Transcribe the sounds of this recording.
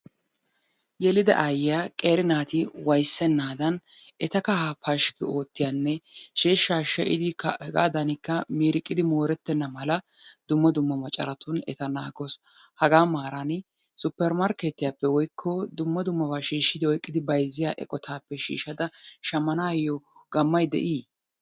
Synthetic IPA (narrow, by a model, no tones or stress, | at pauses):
jɛlɪd̪ɐ̰ʔajaːkʼe̞ːɾɪnaːt̪ɪwɐjsːɛnːaːd̪ɐn | ʔɛt̪ɐkɐhaːpɐʃkɪo̞ːt̪ːɪjanːɛʃeːʃːaːʃɛʔɪ̰d̪ɪkɐɛɡa̰ːd̪ɐnɪkːɐmiːɾɪkʼːɪd̪ɪmoːɾɛt̪ːɛnːɐmɐlɐ | d̪ʊmːɐd̪ʊmːɐmɐt͡ʃʼːɐ̰ɾɐt̪ʊnɛ̰t̪ɐnaːɡɔs | hɐɡaːmaːɾɐn | sʊpːɛɾmɐɾkeːt̪ːɪjaːpːɛwɔjkʰːɔd̪ʊmːɐd̪ʊmːɐbaːʃiːʃːɪd̪ɪwɔjkʼːɪd̪ɪbɐjzːɪjaːʔɛ̰kʼɔt̪ʰaːpːɛʃḭːʃːɐd̪ɐʃɐmːɐnaːjɔɡɐmːɐjd̪ɛ̰ʔiː